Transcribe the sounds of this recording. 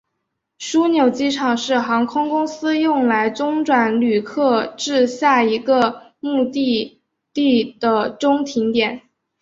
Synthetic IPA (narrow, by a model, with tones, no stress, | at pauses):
ʂu˥njo˨˩ʊt͡ɕi˥ʈ͡ʂʰɑ˨˩ŋʂɻ̩˥˩xɑ˧˥ŋkʰʊ˥ŋkʊ˥ŋsɹ̩˥jʊ˥˩ŋla˧˥ɪʈ͡ʂʊ˥ŋʈ͡ʂwa˨˧˩nly˨˩kʰɤ˥˧ʈ͡ʂɻ̩˥˧ɕja˥˩i˧˥ɡə˧ | mu˥˧t̪i˥˧ | t̪i˥˩d̪̥ə˩ʈ͡ʂʊ˥ŋt̪ʰi˧˥ŋt̪jɛ˨˩˦n